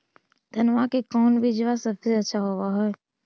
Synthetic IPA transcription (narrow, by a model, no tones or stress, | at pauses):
d̪ʱənʋakekɔːnbʱid͡ʒəʋasəbseɐtːʃʰaɦowaɦɛː